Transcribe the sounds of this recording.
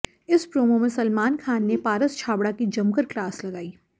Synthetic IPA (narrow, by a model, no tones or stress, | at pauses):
ɪspɾoːmomẽsɐlmaːnkʰaːnːepaːɾəst͡ʃʰaːbɽakid͡ʒɐmkəɾklaːslɐɡaːiː